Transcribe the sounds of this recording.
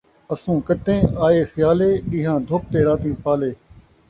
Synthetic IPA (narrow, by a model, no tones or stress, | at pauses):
əsũːkət̪ẽːaːeːsɪjaːleːɗĩːɦãːd̪ʱoːp̚t̪eːɾaːt̪ĩːpaːleː